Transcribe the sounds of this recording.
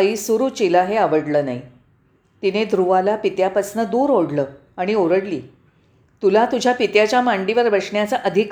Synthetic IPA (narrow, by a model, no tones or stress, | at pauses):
iːsuɾuːt͡ɕilaɦeaʋəɽləːna̰i | t̪ined̪ʱɾuʋalapit̪japəsnəd̪uːɾoɽləː | aɽ̃ioɾəɽliː | t̪ulat̪ud͡ʑʱjapit̪jat͡ɕjamaɳɖiʋəɾbʱəʂɳjat͡saʔəd̪ʱik